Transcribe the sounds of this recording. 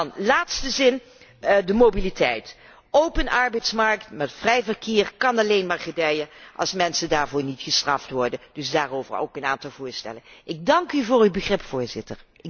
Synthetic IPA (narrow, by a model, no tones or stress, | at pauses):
nlaːtstəzɪn | dəmowbilitʰɛjt | owpənʔɑɹbɛjtsmɑɹktmɛtfrɛjvərkʰɪːɹkɑnɑlejnmaːɹχədɛjəʔɑ̰lˠsmɛnsədaːɹvʊːɹnitχəstrɑftʋɔɹdədɵsdaːrowvə̰ro̰wkəna̰ːntɑlˠvʊːɹstɛ̰lənʔɪɡ̚dɑŋkyvʊːrybəχrɪpfʊːɹzɪtəɹ | ɪ